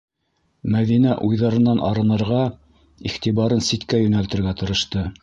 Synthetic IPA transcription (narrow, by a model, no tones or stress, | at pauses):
mæðinæʔujðɑɾɤ̆nːɑnʔɑɾɤ̆nɤ̆ɾʁɑ | iχt̪iβɑɾɤnsit̪kæjɵ̆nælt̪ɘ̆ɾɡæt̪ɤ̆ɾɤ̆ʃt̪ɤ